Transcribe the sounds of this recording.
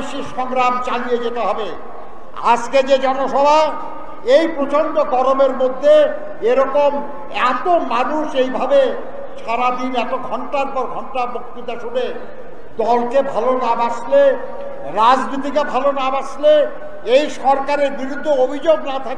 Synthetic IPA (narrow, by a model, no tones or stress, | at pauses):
ʃiʃɔŋɾamt͡ɕalijed͡ʑet̪eɦɔbe | a̰d͡ʑked͡ʑed͡ʑɔnoʃɔbʱa | ejpɾot͡ɕonɖoɡɔɾomeɾmod̪ʱːe | eɾɔkom | ɛt̪omanuʃejbʱabe | ʃaɾad̪inɛt̪oɡʱɔɳʈaɾpɔɾɡʱɔɳʈamuk̚t̪it̪aʃune | d̪ɔlkebʱalonabaʃle | ɾad͡ʑnit̪̬ikebʱalonabaʃle | ejʃɔɾkaɾeɾbiɾud̪ʱːoobʱid͡ʑoɡ̚nat̪ʰake